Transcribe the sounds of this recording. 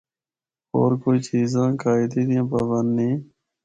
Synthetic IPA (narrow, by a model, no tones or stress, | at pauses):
o̰ːɾkoːit͡ʃiːzãːkaːɪd̪ĩːd̪ijãːpaːbənd̪nĩː